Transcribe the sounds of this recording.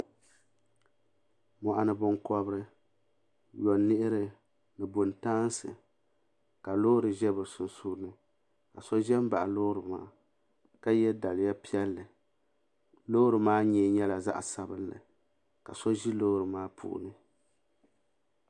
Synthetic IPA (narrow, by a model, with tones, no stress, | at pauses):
mɔ˨ʔa˨nɨ˨bʊ˨ŋkɔ˦bɾɨ˦ | jɔ˨nːɨ˦ʔɪ˦ɾɨ˦ | nɨ˨bʊ˨ntaː˦n˦sɨ˨ | ka˨loː˦ɾɨ˨ʒɛ˦bɨ˨sʊ˨nsuː˦nɨ˦ | ka˨sɔ˦ʒɛ˦m˦ba˨ʔloː˦ɾɨ˨ma̰ː˦ | ka˦jɛ˦da˨lɪ˨ja˦pi˦ɛ˦lːɨ˨ | lo˦ɾɨ˨maː˦ɲɛ˨ɲɛ˦la˨za̰˦ʔsa˦bɨ˦nlɨ̰˨ | ka̰˨sɔ˦ʒi˦lo˦ɾɨ˨maː˦pʰṵ˦ʔʊ̰˨nɨ˦